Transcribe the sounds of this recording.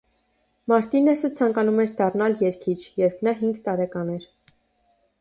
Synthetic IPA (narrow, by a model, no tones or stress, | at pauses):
mɑɾt̪inɛsət͡sʰɑŋkɑnumɛɾd̪ɑrnɑljɛɾkʰit͡ʃʰjɛɾpʰnɑɦiŋɡt̪ɑɾɛkɑnɛɾ